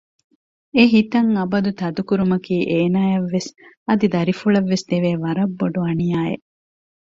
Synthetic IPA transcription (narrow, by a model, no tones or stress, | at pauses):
eɦit̪ɐŋɐbɐd̪ut̪ɐd̪ukuɾumɐkiːʔeːnaːjɐʋːes | ɐd̪id̪ɐɾifuɭɐʋːesd̪̥eʋeːʋɐɾɐbːoɖuɐnijaːḛʔ